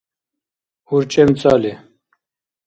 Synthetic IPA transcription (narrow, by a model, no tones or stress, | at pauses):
uɾt͡ʃʼemt͡sʼaːli